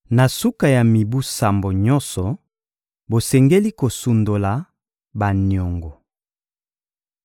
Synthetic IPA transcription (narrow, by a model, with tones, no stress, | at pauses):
na˨su˦ka˨ja˨mi˨bu˦sa˨mbo˨ɲɔ˦nsɔ˨ | bo˨sɛ˨ŋɡe˦li˦ko˨su˨ndo˨la˨ | ba˨nɔ˨ŋɡɔ˨